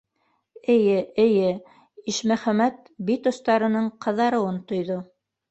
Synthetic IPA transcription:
ɘ̆jɘɘ̆jɘ | iʃmæχæmæt̪̚bit̪ŏst̪ɑɾɤ̆nɤɴqʰɤ̆ðɑɾɤ̆wɤnt̪ŏjðo

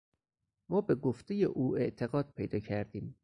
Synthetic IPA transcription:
mɒːbe̞ɡoft̪ʰeje̞ʔuːe̞ʔt̪ʰe̞ɣɒːd̪̚pʰejd̪ɒːcʰæɾd̪iːm

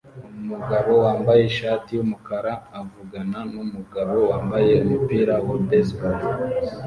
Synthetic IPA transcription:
umuɡaβo̞waːmbaje̞ʃaːtijumukaɾaːvuɡananumuɡaβo̞waːmbaje̞umupiːɾawabesbul

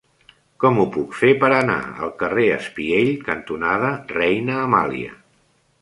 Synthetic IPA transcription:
kɔmupukfepəɾəna̰ə̰lˠkəreəspieʎkənt̪unað̞ərɛjnəːma̰lḭə̰

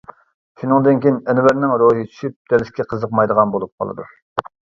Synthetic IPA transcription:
ʃunɨŋd̪ɨnkʲinɛnɪvæɾnɪŋɾoɦɨt͡ʃʰy̥ʃyp̚d̪̥ɛlɪskʲɛqʰəzəqmɑjd̪əʁɑnbolˠup̚qʰɑ̰lˠɨ̰d̪ṵ

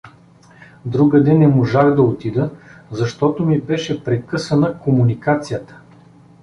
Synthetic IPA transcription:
d̪ɾuɡəd̪ɛnɛmoʒaxd̪ɐot̪id̪əzɐʃt̪ɔt̪omibɛʃɛpɾɛkɤsɐnəkomunikat̪sijət̪ə̥

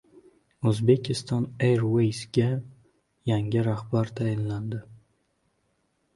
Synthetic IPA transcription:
ɵzbe̞kʲʰɪst̪ɒneɾwejsɡʲa | jaŋɪɾahbaɾt̪ʰajɪnland̪ɪ

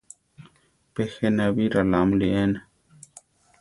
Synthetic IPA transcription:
pexenabiɾalamlien

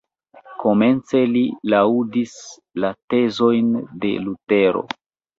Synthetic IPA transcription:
ko̞me̞nt͡se̞lilaudis | late̞zo̞jnde̞̰lute̞ɾo̞̰

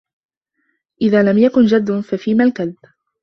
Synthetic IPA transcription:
ʔɪðaːlamjakʊnd͡ʒad̪ːʊfafiːmalkaðb

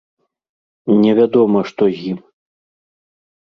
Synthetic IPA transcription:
nʲɛvʲad̪ɔmɐʂt̪ɔzʲjim

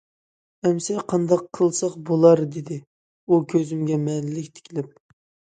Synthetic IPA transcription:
ɛmsɛqʰɑnd̪ɑqʰːəlˠsɑqbolˠɑɾd̪ɪd̪ɪ | ukʲʰøzɪmɡʲɛmɛnlɪlɪkʲt̪ʰɪ̥kʲʰilɪp̚

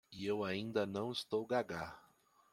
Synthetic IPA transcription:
iewaĩnd̪ɐnɐ̃w̃ɪst̪owɡaɡa

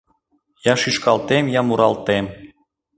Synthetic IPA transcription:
jɑʃiʃkɑlt̪emjɑmuɾɑlt̪em

